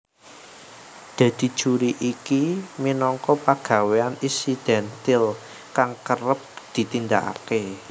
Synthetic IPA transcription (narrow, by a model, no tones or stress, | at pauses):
d̪̥ä̤d̪̥i̤̥ʒ̥uɾiʔikiminɔŋkɔpaɡ̥ä̤weaninsid̪̥ɛnt̪ɪl | kaŋkəɾəp̚d̪̥i̤t̪ind̪aka̰ke